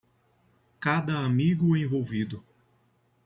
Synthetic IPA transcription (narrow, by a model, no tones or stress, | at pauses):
kad̪ɐamiɡʊẽvowvid̪ʊ